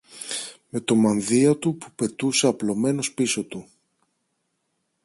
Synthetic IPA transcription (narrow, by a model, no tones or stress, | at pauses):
me̞t̪o̞mɐnðiɐt̪upupe̞t̪useɐplo̞me̞no̞spiso̞t̪u